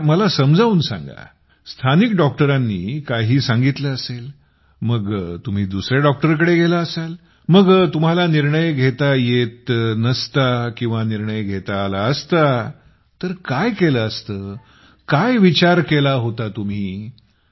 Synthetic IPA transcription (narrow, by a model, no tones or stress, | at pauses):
məlasəmd͡zʱauːnsã̰ŋɡa̰ | st̪ʰanikɖɔk̚ʈəɾanːiːkaɦiːsãŋɡit̪ləəsel | məɡt̪um̤iːd̪usɾjaɖɔk̚ʈəɾk̬əɽeɡʱelaəsal | məɡt̪um̤alaniɾɳəjɡʱet̪ajet̪nəst̪akĩw̃ʋaniɾɳəjɡʱet̪aːlaəst̪a | t̪əɾkajkeləəst̪əː | kajʋit͡ɕaɾkelaɦot̪at̪um̤iː